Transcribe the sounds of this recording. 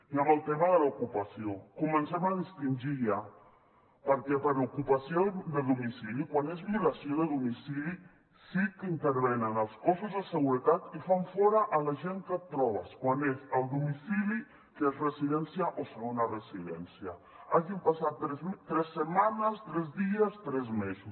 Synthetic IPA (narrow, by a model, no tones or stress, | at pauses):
iamalt̪emaðelaokupasjokumẽnsemaðist̪ind͡ʒia | paɾkepaɾokupasjod̪elðomisilikwanezmulasjoðeðomisili | sikeint̪eɾβenanalskosozðeseɣuɾet̪at̪ifaɱfɔɾaʔalaʒeŋkət̪̚t̪ːɾɔβaskwanesalˠd̪umisili | kezresiðensjaʔoseɾaunaresiðɛ̰nsja | aʒimpasat̪ːɾet̪ɾesːemanast̪ɾezðiast̪ɾezmesus